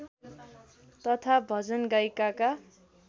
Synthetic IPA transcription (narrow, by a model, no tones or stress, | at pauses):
t̪ʌt̪ʰabʱʌd͡zʌnɡʌjkaka